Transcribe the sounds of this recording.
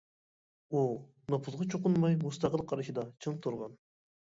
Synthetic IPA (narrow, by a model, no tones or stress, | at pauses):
u | nopʰuzʁɑt͡ʃʰoqʊnmɑjmust̪ɑqəlˠqʰɑɾɨʃid̪ɑt͡ʃʰɨnt̪ʰuɾʁɑn